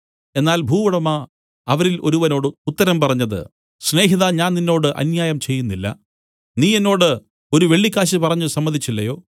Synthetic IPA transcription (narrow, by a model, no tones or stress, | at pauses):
e̞nːaːlbʱuːʋɐɽɐmaː | ɐʋɐɾilʔo̞̰ɾuʋɐno̞ːɽɨut̪ːɐɾɐmpɐrɐɲːɐðɨ̰ | sne̞ːɦiðaɲaːnninːo̞ːɽɨʔɐ̰njaːjɐmt͡ɕe̞jːunːilːɐ̰ | niːe̞nːo̞ːɽɨ | o̞ɾuʋe̞ɭːikʲːaːɕipɐrɐɲːusɐmːɐd̪ʱit͡ɕːilːɐjo̞ː